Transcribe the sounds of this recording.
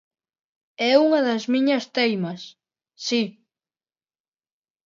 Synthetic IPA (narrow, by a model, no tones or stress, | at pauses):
ɛuŋɐðɐzmiɲɐst̪ejmɐsː | i